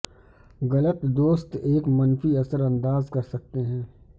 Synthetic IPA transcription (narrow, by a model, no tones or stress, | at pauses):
ɣɐlət̪d̪oːst̪eːkmɐnfiɐsəɾɐ̃nd̪aːzkɐɾsɐk̚t̪eɦɛ̃ː